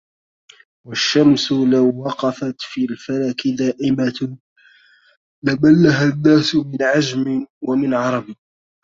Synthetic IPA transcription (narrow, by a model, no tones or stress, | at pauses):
waʃːamsʊlawːɑqɑfat̪fiːlfalaːkɪd̪aːʔɪma | lamalːaɦanːaːsʊmɪnʕad͡ʒmɪwamɪnʕɑɾˤɑb